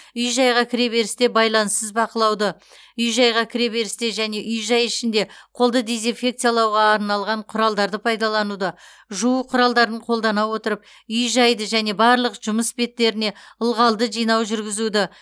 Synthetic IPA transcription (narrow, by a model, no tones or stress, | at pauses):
ʏjʒɑjʁɑkʲʰɪɾe̞be̞ɾɪst̪e̞bɑjlˠɑnəsəzbɑqəlˠɑwd̪ə | ʏjʒɑjʁɑkʲʰɪɾe̞be̞ɾɪst̪e̞ʒæne̞ʔʏjʒɑjɪʃɪnd̪e̞qʰo̞lˠd̪əd̪e̞zinfʲe̞k̚t̪sijalˠɑwʁɑːɾnɑlˠʁɑɴqʰʊɾɑlˠd̪ɑɾd̪əpʰɑjd̪ɑlˠɑnud̪ə | ʒuəqʰʊɾɑlˠd̪ɑɾəɴqʰo̞lˠd̪ɑnɑwo̞t̪əɾəp̚ | ʏjʒɑjd̪əʒæne̞bɑɾlˠəqʒ̥ʊməsbe̞t̪ːe̞ɾɪne̞əlˠʁɑlˠd̪əʒijnɑwʒʏɾɡʲɪzud̪ɪ